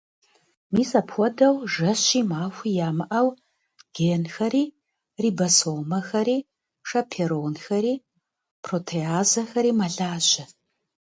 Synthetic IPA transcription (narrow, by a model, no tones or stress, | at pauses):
miːsɐpxʷɔdɐwʒɐɕiːmaːxʷijaːmɨʔɐw | ɡ̥eːnxɐɾiː | riːbɐsoːmɐxɐɾiː | ʂɐpʰeɾoːnxɐɾiː | pʰroːtʰeaːzɐxɐɾiːmɐɮaːɕɐ